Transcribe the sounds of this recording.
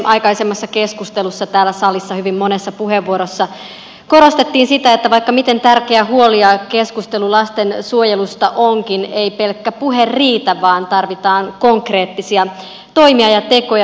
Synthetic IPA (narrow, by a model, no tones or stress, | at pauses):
ʔɑjkɑisemːɑsːɑkeskust̪elusːɑt̪æːlːæsɑlisːɑhyʋimːo̞nesːɑpuɦeʋːuoɾosːɑ | ko̞ɾo̞st̪et̪ːiːnsit̪æet̪ːæʋɑikːɑmit̪e̞nt̪ærkeæhuoliɑke̞skust̪elulɑst̪ensuojelust̪ɑʔoŋkineipe̞lkːæpuɦerriːt̪æʋɑːnt̪ɑrʋit̪ɑːnkoŋkre̞ːt̪ːisiɑ | t̪o̞imiɑjɑt̪e̞ko̞jɑ